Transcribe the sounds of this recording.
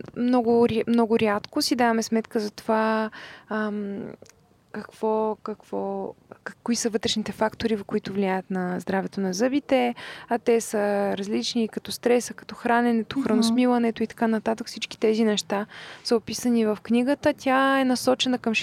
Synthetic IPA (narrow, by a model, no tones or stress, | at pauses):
mnɔɡʊɾmnɔɡʊɾʲjat̪kosid̪avɐmɛsmɛt̪kəzɐt̪ova | əm | kɐkv̥ɔkɐkv̥ɔ | kːʊisəvɤt̪ɾɛʃnit̪ɛfakt̪oɾivkʊit̪ʊvliajət̪nɐzd̪ɾavɛt̪onɐzɤbit̪ɛɐt̪ɛsəɾɐzlit͡ʃniːkɐt̪ɔst̪ɾɛsəkɐ̥t̪ɔxɾanɛnɛt̪oxɾɐnosmilˠɐnɛt̪oit̪ɐ̥kanɐt̪at̪əkfsit͡ʃk̟i̥t̪ɛzinɛʃt̪asəopisənivəfknʲiɡət̪ət̪ʲʰaɛnɐsɔt͡ʃɛnəkɐm